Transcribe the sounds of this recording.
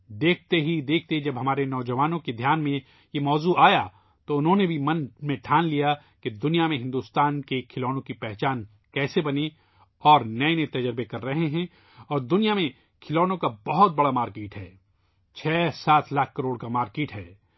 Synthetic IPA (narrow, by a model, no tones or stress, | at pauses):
d̪eːk̚ʰt̪eɦid̪eːk̚ʰt̪ed͡ʒɐbɦɐmaːɾenɔːd͡ʒɐʋaːnõked̪ʱjaːnmẽ | jemɔːzuaːja | t̪oʊnɦõnebʱimɐ̃nmẽʈʰaːnlija | ked̪ʊnijamẽɦɪ̃nd̪uːst̪aːnkekʰɪlɔːnõkipɛɦt͡ʃaːn | kɛːsebɐne | ɔːɾnɐenet̪ɐd͡ʒɾbekɐɾːɐɦeɦɛ̃ | ɔːɾd̪ʊnijamẽ | kʰɪlɔːnõkabɐɦʊt̪̚bɐɽamaːɾkeːʈɦɛː | t͡ʃʰɛːsaːt̪ʰlaːkʰkɐɾoːɽkamaːɾkeːʈɦɛː